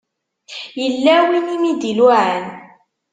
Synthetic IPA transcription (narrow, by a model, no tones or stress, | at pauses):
jəlːæwinimid̪ilʕən